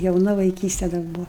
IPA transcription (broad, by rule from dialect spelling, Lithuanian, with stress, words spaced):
jɛʊˈnɐ ʋɐɪˈkʲiːsʲtʲɛ dɐr ˈbʊʋɐ